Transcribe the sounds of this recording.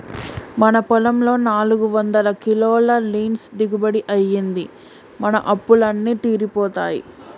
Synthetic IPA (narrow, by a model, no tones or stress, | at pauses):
mɐnɐpɐlɐmlo̞ːnaːluɡuʋɐnd̪ɐlɐkiloːlɐliːnsd̪iɡubɐɽiʔɐjːind̪i | mɐnɐ̰ʔɐpːulɐnːiːt̪iːɾipɔːt̪a̰ːjḭ